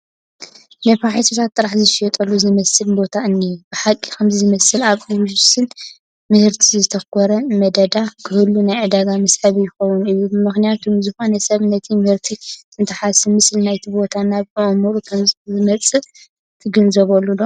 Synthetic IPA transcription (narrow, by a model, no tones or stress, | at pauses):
nɐfaħisot̪ʰat̪ʼːɨɾaħzɨʃɛt̪ʼɐlːuzɨmɐsɨlbo̞t̪ʰaɨnːijub̥ɨħakʼːi̥kʰɐmzɨzɨmɐsɨlaβʔɨwʒusɨn | mɨhɨɾt̪ʰizɨt̪ʰɐkʰɔɾɐmɐd̪ɐd̪akʰɨhɨlːunajʕɨd̪aɡamɐsħɐβjɪxɐwunɨjːubɨmɨxnijat̪ʰumzɨxo̞nɐsɐβnɐt̪ʰimɨhɨɾt̪ʰiɨnt̪ʰɐħasɨmɨslnajt̪ʰibo̞t̪ʰanaβɨʔmuɾukʰɐzzɨmɐt͡sʼɨ | t̪ʰɨɡɐnzɐβɐlːudo